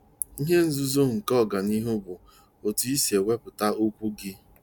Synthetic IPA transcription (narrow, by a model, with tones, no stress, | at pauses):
i˦ɦe˦n̩˦zu˦zo˦ŋ̩˨kɔ˦˨ɡa˨ni˦ɦʊ˦bʊ˨ | o˨tu˨i˦si˨e˨wʷe˦pʊ˨ta˦o˦kʷu˦ɡɪ˦